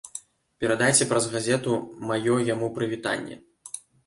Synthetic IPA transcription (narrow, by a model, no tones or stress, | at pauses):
pʲɛɾad̪ajt͡sʲɛpɾɐzɣazʲɛt̪umajɔjamupɾɨvʲit̪a̰nʲːɛ̰